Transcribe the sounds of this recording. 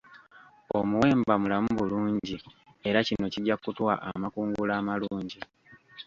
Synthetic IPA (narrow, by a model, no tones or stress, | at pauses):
o̞muwe̞ːmbamulamuβuluːɲɟi | e̞ɾacino̞ciɟakutwaʔamakuːŋɡulaːmaluːɲɟi